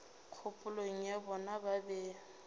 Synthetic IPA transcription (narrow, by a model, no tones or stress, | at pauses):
q͡χʰʊpʼʊloŋ̩jabɔnababɛ